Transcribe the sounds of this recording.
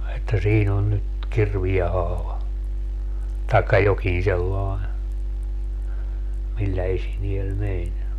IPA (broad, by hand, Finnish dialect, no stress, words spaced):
etːæ siːn on nyt kirʋie hɑːʋɑ tɑekːɑ jokĩː selːɑe milːæ esiniel menʲ